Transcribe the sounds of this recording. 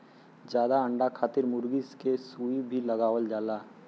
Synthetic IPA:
d͡ʒjaːd̪aɐ̃ɳɖakʰaːt̪ɪɾmʊɾɡiskesuːibʱilɐɡaːwəld͡ʒaːlaː

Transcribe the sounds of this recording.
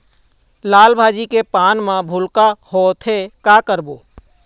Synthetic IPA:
laːlbʱaːd͡ʒikepaːnmãbʱʊlkaɦot̪ʰekakəɾboː

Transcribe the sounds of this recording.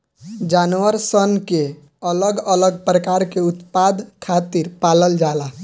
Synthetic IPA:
d͡ʒanʋəɾsənke | ələɡələɡ̚pɾəkaɾkeut̪pad̪kʰat̪iɾpaləld͡ʒala

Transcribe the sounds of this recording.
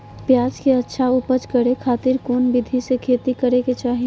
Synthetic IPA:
pjaːd͡ʒkeɐtːʃʰaʊpət͡ʃkəɾekʰaːt̪ɪɾkoːnbɪd̪ʱisekʰeːt̪ikəɾeket͡ʃaːɦi

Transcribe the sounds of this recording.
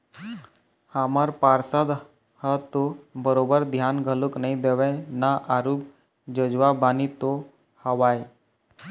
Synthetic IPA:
hamaɾpaɾsad̪ | hət̪obəɾobəɾd̪ʱjanɡʱəluknaid̪eʋə̃naʔaɾuːk̚ | d͡ʑəd͡ʑʋabanit̪o | həʋaj

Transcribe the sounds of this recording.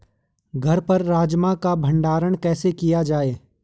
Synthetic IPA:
ɡʱɐɾpɐɾːaːd͡ʒmakabʱɐ̃ɳɖaːɾəɽ̃kɛːsekijad͡ʒaːeː

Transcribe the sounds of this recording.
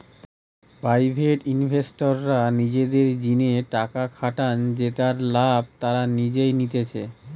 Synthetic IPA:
pɾajbʱeʈinbʱesʈoɾːanid͡ʑed̪eɾd͡ʑineʈakakʰaʈand͡ʑet̪aɾlab̚ʱt̪aɾanid͡ʑejnit̪et͡ɕʰe

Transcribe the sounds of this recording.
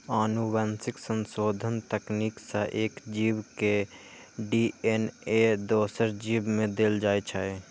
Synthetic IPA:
anuʋansɪksənsoːd̪ʱənt̪əkniksə̃ʔeːkd͡ʒibke | ɖiened̪oːsəɾd͡ʒibmẽd̪eːld͡ʒaːjt͡ʃʰəɛ

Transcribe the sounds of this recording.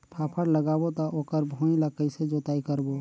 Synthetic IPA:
pʰaːpʰəɽləɡabot̪ɔʔoːkəɾbʱõlakəɪsed͡ʒot̪aːikəɾbo

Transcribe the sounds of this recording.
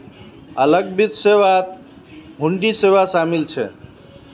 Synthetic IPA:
ələɡ̚bit̪sewat̪ | ɦuɳɖisewasamilt͡ʃʰɛ̰

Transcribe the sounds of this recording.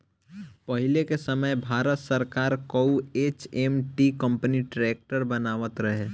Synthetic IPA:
pəɦɪlekesəməjbʱaːɾət̪səɾkaːɾkəueːt͡ʃemʈikə̃mpəniʈɾeːk̚ʈəɾbənaːʋət̪ɾəɦeː

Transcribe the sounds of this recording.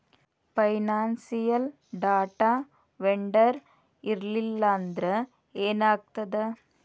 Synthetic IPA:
pɐɪnaːnsɪjɐl | ɖaːʈaː | ʋɛɳɖɐɾ | ɪɾlɪlːaːnd̪ɾɐ | eːnaːk̚t̪ɐðɐ

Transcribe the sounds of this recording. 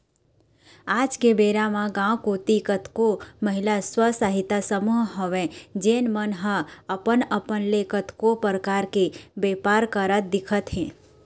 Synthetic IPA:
aːd͡ʒkebeːɾamãɡãwkot̪ikət̪koməɦɪlaswəsaɦɪt̪asəmuɦɦoʋẽd͡ʒeːnmənɦə̃əpənəpənlekət̪kopəɾəkaːɾkebeːpaːɾkəɾət̪̚d̪ɪkʰət̪ɦɛ̃ː

